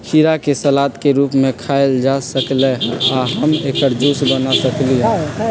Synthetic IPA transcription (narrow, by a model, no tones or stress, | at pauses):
kiɾakesəlaːt̪keɾuːpmẽkʰaeld͡ʒasəkleaɦəmeːkəɾd͡ʒuːsbənasəkliẽ